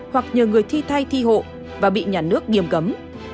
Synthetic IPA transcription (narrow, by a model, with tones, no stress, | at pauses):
hwa˨˩k̚ɲəː˨˩ŋɨ˨˩əjt̪ʰi˧t̪ʰa˧jt̪ʰi˧ho̰˧˨ | vaː˨˩ɓḭ˧˨ɲaː˨˩nɨ˦˥ək̚ŋi˨˩əmkə˨˦m